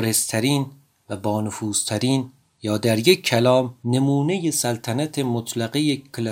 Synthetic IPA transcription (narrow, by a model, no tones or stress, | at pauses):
ɾest̪ʰæɾiːn | væbɒːnofuːz̥t̪ʰæɾiːn | jɒːd̪æɾje̞kʰːælɒːmne̞muːnejesælt̪ʰænæt̪ʰemot̪ʰlæɣejel